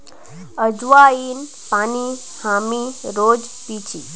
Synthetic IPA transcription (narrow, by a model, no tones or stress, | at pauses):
əd͡ʒwain | pani | hamiɾod͡ʒpit͡ʃi